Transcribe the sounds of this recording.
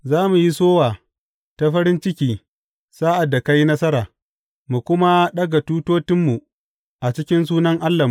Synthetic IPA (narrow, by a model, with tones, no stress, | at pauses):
zaː˦mu˨ji˦soː˦waː˨ | ta˨ɸɐ˦ɾɪ˦nt͡ʃɪ˦kʲiː˨ | saː˦ʔa˨dːa˨ka˦ji˦nɐ˦sɐ˦ɾaː˨ | mu˨kʷʊ˦ma˦ɗɐ˦ɡa˨tuː˦toː˦tɪ˦mːu˨ | ʔa˨t͡ʃɪ˦kʲɪ˦ns̬uː˦nɐ˦ŋʔa˦lːa˨m˨